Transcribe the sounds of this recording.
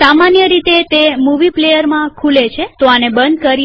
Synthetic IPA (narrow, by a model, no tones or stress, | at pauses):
samanjəɾit̪et̪emuʋiplejəɾmãkʰulet͡ʃʰet̪oanebənd̪̚kəɾ